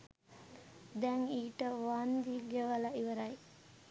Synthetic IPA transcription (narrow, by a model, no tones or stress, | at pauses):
d̪ɛŋiːʈəʋand̪iɡeʋəlaʔiʋəɾaj